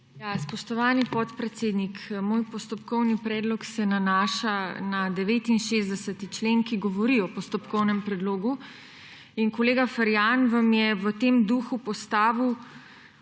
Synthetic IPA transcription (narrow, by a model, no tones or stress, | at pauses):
jaspɔʃt̪ɔʋaːnipɔt̪pɾɛt̪seːd̪nikmoːjpɔst̪ɔpkɔwnipɾɛːd̪lɔksɛnanaʃanad̪ɛʋeːt̪inʃezd̪ɛsət̪it͡ʃleːnkiɡɔʋɔɾiɔpɔst̪ɔpkɔwnɛmpɾɛd̪loːɡu | inkoleːɡafaɾjanʋamjɛʋət̪emd̪uxupɔst̪aːʋiw